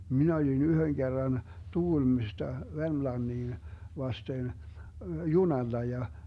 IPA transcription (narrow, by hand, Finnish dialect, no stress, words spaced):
minæ olin yhøŋ ɡ̊erːɑn tuɡ̊ulmistɑ ʋermlɑnːiːn ʋɑsten junɑlːɑ jɑ